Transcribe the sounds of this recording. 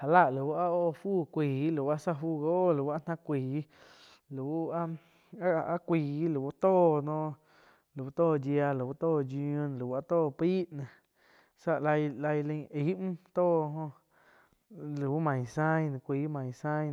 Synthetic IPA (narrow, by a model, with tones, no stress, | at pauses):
ha˨la˧ʔlu˨˧˦a˦o˦˧˨fuː˦˨kʷiː˨˦lu˨wa˦sa˦fuː˦˨ɡo˦˨lu˨wa˦n̥ã˦kʷiː˨˦ | lu˨u˦a˦ | a˦kʷiː˨˦lu˨u˦t̪oː˦˨nõ˧ | lu˨u˧˦t̪oː˦˨d͡ʒja˧lu˨wu˦t̪oː˦˨d͡ʒi˧ũ˧n˨lu˨wa˦t̪oː˦˨piː˦ʔnã˨ | sa˦˧ʔla˧jla˧jlə̃˧i˨˦ʔm̩̃˦t̪oː˦˨ɦõ˧ | lu˨u˦mã˨j̃sã˦jñ˧˨kʷiː˧˦mã˨j̃sã˦ɲ